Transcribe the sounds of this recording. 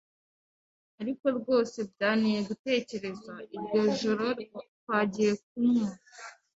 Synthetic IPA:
aɾiko̞ɾɡo̞ːse̞bɟaːnije̞ɡute̞ːce̞ɾe̞zaiɾjo̞ʒoɾo̞ɾo | waːɟije̞k̚umua

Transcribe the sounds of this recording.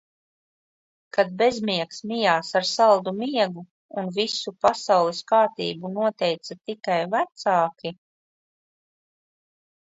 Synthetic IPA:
kad̪̚bezmiɛksmijaːsaɾsalˠd̪umiɛɡu | unvisupasawlˠiskaːt̪ḭːbunuɔt̪ɛjt̪sat̪ikajvæt̪saːkʲi

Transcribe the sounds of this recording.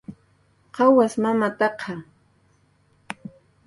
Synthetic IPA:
qɑwasmamat̪ɑqʰɑ

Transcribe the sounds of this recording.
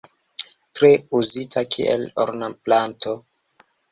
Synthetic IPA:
tɾeuzitʰakʰḭʔḛlo̰ɾnaplantʰo̞

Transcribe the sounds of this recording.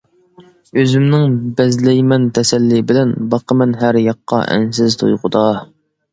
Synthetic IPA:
øzymnɪŋbɛzlɛjmɛnt̪ʰɛsɛlːɪbɪlɛnbɑqʰəmɛnɦæɾjɑqːɑ̰ʔɛ̰ns̬ɪzt̪ʰṵjqʊd̪ɑ

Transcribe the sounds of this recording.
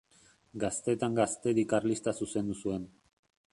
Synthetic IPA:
ɡast̪e̞t̪aŋɡast̪e̞ɣikarlist̪asuse̞nd̪usue̞n

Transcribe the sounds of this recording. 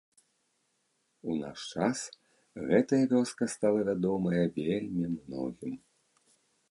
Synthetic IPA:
una̰ʂt͡ʂas | ɣɛt̪ɐjɐvʲɔskɐst̪alˠɐvʲad̪ɔmɐjɐvʲelʲmʲimnɔ̰ɣʲim

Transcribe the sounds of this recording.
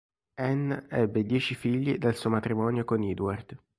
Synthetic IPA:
ɛnɛbːed̪jɛːt͡ʃifiʎːid̪alsuːomat̪ɾimɔːnjokonid̪ward̪̥

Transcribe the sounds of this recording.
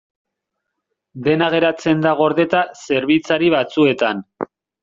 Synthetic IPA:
d̪e̞naɣ̞e̞ɾat͡se̞nd̪aɣ̞o̞ɾðe̞t̪ase̞ɾβit͡saɾiβat͡sue̞t̪an

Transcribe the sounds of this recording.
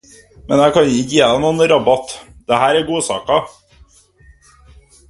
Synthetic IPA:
mɛnjækʰɑnɲɪkjeːɑnuːnɾɑbɑt̪d̪̥ɛhæːɾæɾɡuːsɑ̰ːkɑ

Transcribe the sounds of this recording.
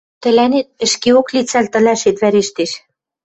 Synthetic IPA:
t̪ɘ̆lænet̪̚ɘ̆ʃkeoklit͡sælt̪ɘ̆læʃet̪βæɾeʃt̪eʃ

